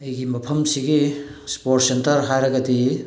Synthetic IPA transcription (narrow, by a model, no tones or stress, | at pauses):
ɐjɡimɐpʰɐmsiɡispoɾt̚sentɐɾɦajɾɐɡɐdi